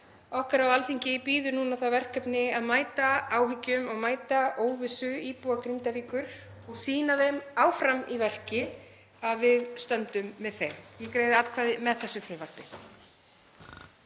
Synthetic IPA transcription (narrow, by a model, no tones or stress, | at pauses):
ɔhkaɾawalθiɲcɪpiːðʏɾnuːnaθawvɛr̥kʰœpnɪaðmaːjt̪aaːwɦʏcːʏmɔɣmaːjt̪aʔoːwvɪsʏiːpuakɾint̪aviːkʏɾ̥ | ɔɣsiːnaðejmaːwfɾamivɛr̥cɪ | aðvɪðst̪œnt̪ʏmːɛðθejɾjɛkɾeːjðɪaːt̪kʰvaːðɪmɛðθɛsːʏfɾɪːvar̥pɪ